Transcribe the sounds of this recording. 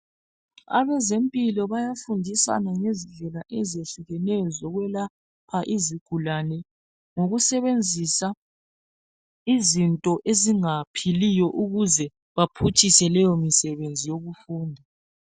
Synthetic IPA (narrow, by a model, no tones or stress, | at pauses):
a̰βɛzempʼilɔβajafundʱisa̰naŋeziɮʱɛlaʔɛzeɬuɣɛnɛjɔzɔɣwɛla | pʰaʔiziɡ̥ʱulanɛ | ŋoɣusɛβend͡zʱisa | izintʼɔʔeziŋapʰilijɔʔuɣuzɛ | βapʰut͡ʃʰʼisɛlɛjɔmisɛβend͡zʱijoɣufuːndʱa